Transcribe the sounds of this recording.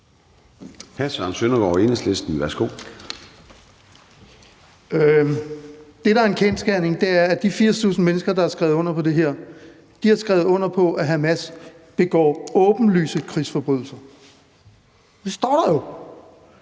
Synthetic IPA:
hæsʋɑ̰ːnsønɐɡ̥ɒ̰ːenəslesd̥n̩ʋæɐsɡ̥o̝̰ː | d̥e̝ɾɑ̈æɐe̝nkʰensɡ̥æɐ̰ne̝ŋd̥e̝æɐæd̥ifiɐ̰st͡sʰṵːsn̩menəsɡ̥ɐd̥ɑ̈æɐsɡ̥ʁɛʊð̩ˠɔ̽n̰ɐpʰɒ̽d̥e̝ɦeɐ̰ | d̥ihæsɡ̥ʁɛʊð̩ˠɔ̽n̰ɐpʰɒ̽ʔæɦæmæs | b̥e̝ɡ̥ɒ̰ːɔ̽ːb̥n̩ly̰ːsəkʰʁisfɒ̽b̥ʁyðˠl̩sɐ | d̥e̝sd̥ɒ̰ːɾ̥ɑjo̝

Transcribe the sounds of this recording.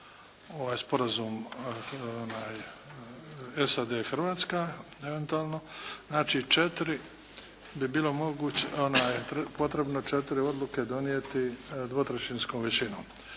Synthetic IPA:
o̞ʋaːjspo̞ɾazuːm | onaːj | esad̪exr̩ʋaːt̪skaeʋe̞nt̪uaːlˠno̞znaːt͡ʃiːt͡ʃet̪ɾi | bibiːlo̞mo̞ɡuːt͡ɕeonaːjt̪po̞t̪ɾe̞bnot͡ʃet̪iɾio̞d̪lˠuke̞d̪o̞niet̪id̪ʋo̞t̪ɾet͡ʃinskoːmʋet͡ɕino̰ːm

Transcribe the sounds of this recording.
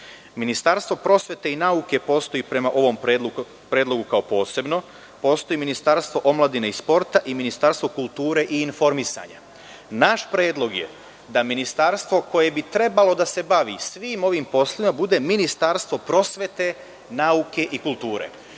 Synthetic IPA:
minist̪aɾst̪ʋo̞pɾo̞sʋe̞t̪e̞inauke̞po̞ːst̪o̞jiːpɾe̞maʔo̞ʋo̞mpɾe | pɾeːd̪lˠo̞ɡukao̞po̞ːse̞bno̞ | po̞ːst̪oiːminist̪aɾst̪ʋo̞ʔo̞mlˠad̪inaispo̞ɾt̪aʔiminist̪aɾst̪ʋo̞kulˠt̪uːɾe̞ʔiːnfo̞ɾmisa̰ːɲa̰ | naʃpɾe̞ːd̪lˠo̞ɡjḛ | d̪aminist̪aɾst̪ʋo̞ko̞je̞bit̪ɾe̞balo̞d̪ase̞baʋisʋiːmo̞ʋimpo̞slˠoʋimabud̪e̞minist̪aɾst̪ʋo̞pɾo̞sʋe̞t̪e̞ | nauke̞ʔikulˠt̪uːɾe̞̰

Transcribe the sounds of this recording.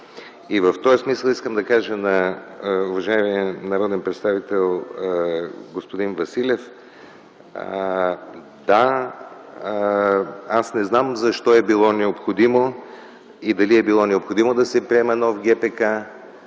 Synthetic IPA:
ivɐft̪ɔjsmisəlˠiskəmd̪ɐkaʒənɐ | ʊvɐʒaiminɐɾɔd̪ɛnpɾɛt̪st̪avit̪ɛlˠ | ɡospod̪invɐsilʲɛf | d̪a | asnɛznamzɐʃt̪ɔɛbilˠɔnɛopxod̪imo | id̪ɐliɛbilˠɔnɛopxod̪imod̪ɐsɛpɾiɛmɛnɔfɡ̟ɛpɛka

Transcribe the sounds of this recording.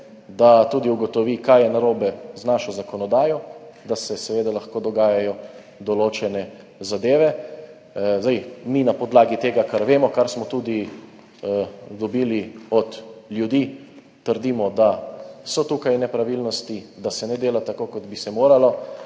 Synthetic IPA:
d̪at̪uːd̪iuɡɔt̪ɔʋikajɛnaɾoːbɛznaʃɔzakɔnɔd̪aːjɔd̪asɛsɛʋeːd̪alaxkoːd̪ɔɡaːjajɔ | d̪ɔloːt͡ʃɛnɛ | zad̪eːʋɛ | zd̪ajminapɔd̪laːɡit̪eːɡakaɾʋeːmɔkaɾsmɔt̪uːd̪i | d̪ɔbiːliɔd̪ljud̪iː | t̪əɾd̪imɔd̪asɔt̪uːkajnɛpɾaʋilnɔst̪id̪asɛnɛd̪eːlat̪akokɔd̪bisɛmoːɾalɔ

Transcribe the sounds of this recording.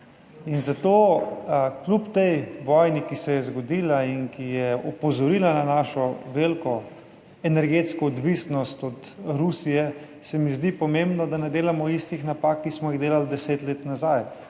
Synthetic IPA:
inzat̪oː | klʲupt̪ɛjʋɔjnikisɛjɛzɡɔd̪iːlainkijɛɔpɔzɔɾiːlananaːʃɔʋelkɔ | ɛnɛɾɡeːt̪skɔːd̪ʋisnɔst̪ɔt̪ɾusijɛ | sɛmizd̪ipɔmeːmbnɔd̪anɛd̪eːlamɔist̪ixnapaːkːismɔjiɣd̪eːlald̪ɛseːt̪leːt̪nazaj

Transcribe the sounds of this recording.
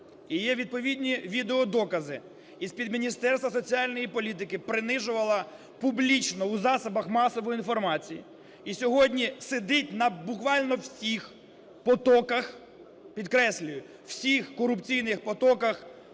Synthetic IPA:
ijɛʋʲid̪̚pɔʋʲid̪ʲnʲiʋʲid̪eɔd̪ɔkɐzɪ | ispʲid̪mʲinʲist̪ɛrst̪ʋɐsɔt͡sʲiɑlʲnɔjipɔlʲit̪̬ɪkɪpɾɪnɪʒʊʋɐlˠɐ | pʊblʲit͡ʃnɔwzɑsɐbɐxmɑsɔʋɔjinfɔrmɑt͡sʲijḭ | isʲɔɦɔdʲnʲised̪ɪtʲnɐbʊkʋɑlʲnɔwsʲix | pɔt̪ɔkɐx | pʲid̪kɾɛsʲlʲʊjʊ | w̥sʲixkɔɾʊpt͡sʲijnɪxpɔt̪ɔkɐx

